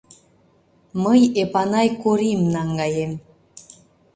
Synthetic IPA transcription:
məjepɑnɑjkuɾimnɑŋɡɑjem

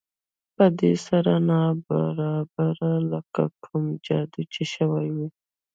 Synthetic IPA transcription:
pəd̪esaɾanɑba̰ɾɑbaɾaləka̰kʰumd͡ʒɑd̪it͡ʃeʃəwajwi

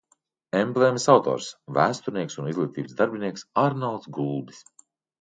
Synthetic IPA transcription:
ɛmplemisawt̪ɔ̰ːɾsvæːst̪uɾnʲiɛksunizlˠiːt̪iːbsd̪aɾbiniɛksaɾnalˠd̪sɡulˠb̪i̥s

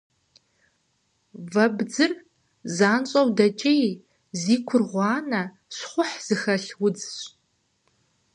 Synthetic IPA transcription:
vɐbd͡zɨr | zaːnɕʼɐwdɐt͡ʃʼej | ziːkʷʰʊrʁʷɑːnɐ | ɕχʷʊħz̥ɨxɐɬwʊd͡zɕʼ

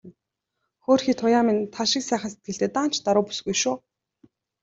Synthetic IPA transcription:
xoːrxiːt̪ʰʊjaːmint̪ʰaʃɪ̆ksæːχəns̬e̥t̪̚ɡɘ̆ɬt̪eːt̪aːn̥t͡ɕt̪aɾʊːpu̥sɣujʃʊː

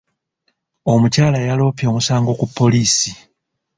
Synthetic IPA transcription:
o̞mucaːlajalo̞ːpjo̞ːmusaːŋɡo̞kupʰːo̞liːsi

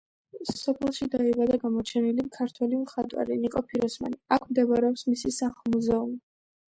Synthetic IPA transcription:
sɔpʰɛlˠʃid̪aivad̪aɡamɔt͡ʃʰɛnilikʰaɾt̪ʰwɛlimχat̪ʼwa̰linikʼɔpʰiɾɔsma̰niakʰmd̪ɛbaɾɛɔpsmisisaχlˠmuzɛumi

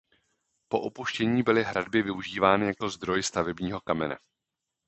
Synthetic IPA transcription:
po̞ʔupuʃcɛɲiːbɪlɪɦɾadbɪvɪuʒiːvaːnɪjako̞zd̪ɾo̞jst̪avɛbɲiːɦo̞kamɛnɛ̰

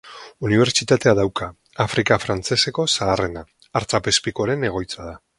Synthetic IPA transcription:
uniβ̞e̞ɾt͡sit̪at̪e̞aðawkaː | fɾʔikafɾant͡se̞se̞ko̞saːre̞naː | ɾt͡sapespikoɾe̞ne̞ɣ̞o̞jt͡saða

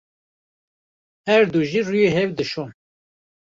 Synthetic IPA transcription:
hɛɾd̪uʒirujeɦɛvd̪ɨʃon

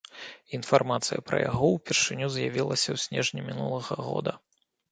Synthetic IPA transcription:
infarmat̪sɨjɐpɾɐ̰jaɣɔwpʲɛrʂɨnʲuzjavʲilˠɐsʲɐwsʲnʲɛʐnʲimʲinulˠɐɣɐɣɔ̰d̪ɐ

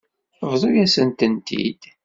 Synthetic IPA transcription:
vðˤojæsənt̪ənt̪ḭd̪̥

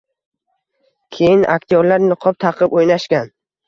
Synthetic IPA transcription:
kʲʰe̞jɪnʔa̰k̚t̪ʰijoɾlaɾnɪqʰɒp̚t̪ʰɑqʰɨpojnaʃkʲan

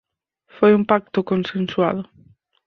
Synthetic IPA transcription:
fojumpak̚t̪ʊkonsenswa̰ðʊ

